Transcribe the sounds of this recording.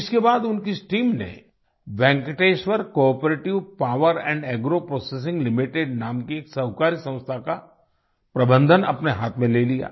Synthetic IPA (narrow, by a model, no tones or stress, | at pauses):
ɪskebaːd̪ʊnkisʈiːmnḛ | ʋɛ̃ːŋkʈeːʃʋəɾkɔːpɾeːʈɪʋpaːʋəɾɛ̃ːɳɖɛːɡɾopɾɔːses̬ɪ̃ŋɡlɪmɪʈeɖnaːmkieːksɐɦkaːɾisɐ̃ʊ̃st̪ʰaka | pɾɐbə̃nd̪ʱənɐ̰pneɦaːt̪ʰmẽleːlija̰ː